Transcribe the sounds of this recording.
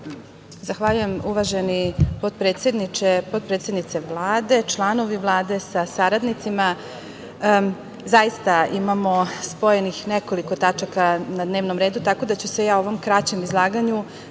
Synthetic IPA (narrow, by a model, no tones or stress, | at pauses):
zaxʋaʎuje̞muʋaʒe̞nipo̞d̪̚pɾet̪sjed̪nit͡ʃepo̞d̪̚pɾe̞ːt̪sje̞d̪nit̪se̞ʋlˠaːd̪e̞t͡ʃlˠano̞ʋiʋlˠaːd̪e̞sasaɾad̪nit̪sima | zajist̪aimamo̞spo̞jenixneko̞liko̞t̪at͡ʃakanad̪ne̞ːʋno̞mɾe̞ːd̪ut̪ako̞d̪at͡ɕusejao̞ʋo̞mkɾat͡ɕe̞mizlˠaːɡaɲu